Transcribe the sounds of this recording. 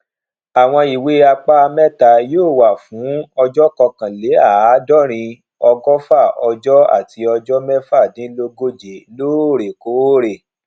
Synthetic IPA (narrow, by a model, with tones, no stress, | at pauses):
a˨w̃ɔ̃˧i˨we˨˦a˧k͡pa˦˧mɛ˦ta˧˨joː˦˨wa˨fũ˨˦ɔ˧d͡ʒɔ˦kɔ˧kã˨le˨˦a˦˨˦dɔ˦ɾ̃ĩ˧ | ɔ˧ɡɔ˦fa˦˨ɔ˧d͡ʒɔ˦a̰˦˨tʰi˧ɔ˧d͡ʒɔ˦mɛ˦fa˦˨dĩ˨˦lo˧ɡo˦d͡ʒe˨loː˦o˦˨ɾe˨ko˨˦ɾe˨